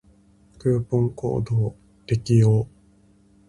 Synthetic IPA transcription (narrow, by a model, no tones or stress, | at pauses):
kɯːpõŋko̰ːd̪oː | t̪ekʲijoː